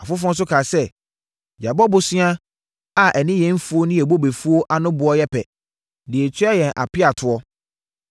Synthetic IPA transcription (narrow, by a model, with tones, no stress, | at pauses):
a˨fʊ˦f̬ɔ̃˦n̩˦s̬ʊ˦kʰaː˨sɛ˦ | d͡ʑa˨bɔ˦bʊ˨si˦ã˦ | a˨ʔɛ˨nɪ̃˦jɛ̃˨˦m̩˦fu˦o˦nʊ̃˦ɛ˨bo˦be˨fu˦o˦ʔa˨nʊ̃˦bʊ˨ɔ˦jɛ˦pʰɛ˨ | dɪ˨e˨t͡ɕʰɥa˦jɛ̃˨nʔa̰˨pɪ˦a˨tʰʊ˨ɔ˦